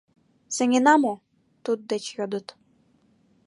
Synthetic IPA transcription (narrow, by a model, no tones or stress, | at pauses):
sɘ̆ŋʲinɑmo | t̪ut̪̚d̪et͡ɕjod̪ɤ̆t̪